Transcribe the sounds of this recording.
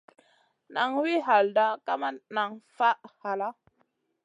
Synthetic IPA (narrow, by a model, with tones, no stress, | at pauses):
na˨ŋwi˦ɦa˨lda˦ka˦ma˦na˨ŋfa˦ha˨la˦